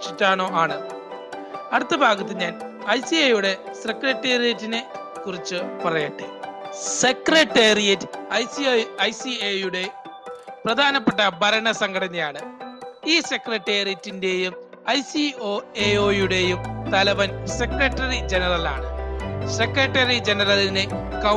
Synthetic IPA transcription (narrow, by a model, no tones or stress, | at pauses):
t͡ɕitːaːɳo̞ːʔaːɳɨ | ɐɽut̪ːɐbʱaːɡɐt̪ːɨɲaːn | ɐjsiɐjuɽe̞sekrɐtːeːrijɐtːinɨ | kurit͡ɕːɨpɐrɐjɐʈːḛsekrɐʈːeːrijɐtːɐjsiɐjsiejuɽe̞ | prɐd̪ʱaːnɐpːeʈːɐbʱɐɾɐɳɐsɐŋɡɐɽɐnːijaːɳɨiːse̞krɐʈːeːrijɐtːinde̞jum | ɐjsio̞ːeo̞ːjuɽe̞jumt̪ɐlɐʋɐnsekrɐʈːɐrid͡ʑenɐrɐla̰ːɳɨsekrɐʈːɐrid͡ʑenɐrɐline | kɐ